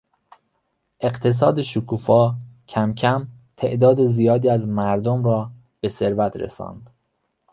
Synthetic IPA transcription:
ʔe̞ɢt̪ʰe̞s̬ɒːd̪eʃukʰuːfɒːcʰæmcʰæm | t̪ʰe̞̰ʔd̪ɒːd̪ezijɒːd̪iːæzmæɾd̪omɾɒː | b̥e̞se̞ɾvæt̪ɾḛsɒ̰ːnd̪̥

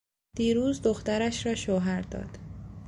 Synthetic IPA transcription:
d̪̥iːɾuːzd̪oxt̪æɾæʃɾɒːʃoːɦæɾd̪ɒ̰ːd̪̥

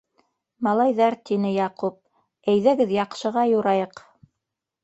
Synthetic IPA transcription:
mɑlˠɑjðɑɾt̪inɘjɑqup̚ | æjðɘ̆ɡɘðjɑqʃɤ̆ʁɑjuɾɑjɤq

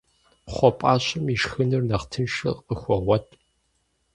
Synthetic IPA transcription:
χʷɔpʼaːɕɐmiʂxɨnɨrnɐχtʰɨnʂɨ̰qʼəxʷɔʁʷɔtʰʼ

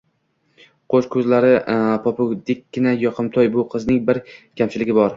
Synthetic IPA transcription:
qʰoʃkʰɵzlaɾɪpʰɒpʰʊd̪ɪk̚ʲːɪnajɒqʰɨmt̪ʰɒjbʊqʰɨznɪŋbɪɾkʲʰamt͡ʃʰɪlɪɡʲɪbɒɾ

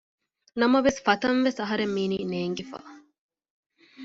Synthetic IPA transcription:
nɐmɐʋesfɐt̪ɐnʋesɐɦɐɾemːiːniːneːŋɡifa̰ː

